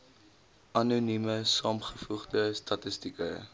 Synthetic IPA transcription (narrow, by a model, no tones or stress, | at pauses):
ʔɐnunyməsɑːmχəfuχdəstɐtəstikə